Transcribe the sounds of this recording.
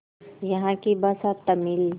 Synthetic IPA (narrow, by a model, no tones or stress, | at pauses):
jɐɦãkibasat̪əmil